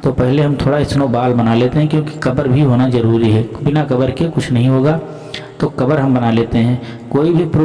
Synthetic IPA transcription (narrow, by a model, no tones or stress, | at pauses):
t̪opɛɦleɦɐmt̪ʰoːɽaɪsnobaːlbɐnaleːt̪eɦɛ̃kjõːki̥kɐbəɾbʱiɦoːnazɐɾuːɾiɦɛːbɪnakɐbəɾkekʊt͡ʃʰnɐɦĩɦoːɡaː | t̪oːkɐbəɾɦɐ̃mbɐnaleːt̪eɦɛ̃ː | koːibʱipɾo